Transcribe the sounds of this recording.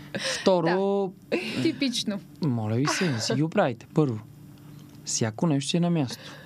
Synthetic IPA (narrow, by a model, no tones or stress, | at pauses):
ft̪ɔɾo | t̪ipit͡ʃno | mɔlʲɐvisɛisɛɡʲiʊpɾavit̪ɛ̥pɤɾvo | fsʲjakonɛʃ̬t̪ɛnɐmʲjast̪o̥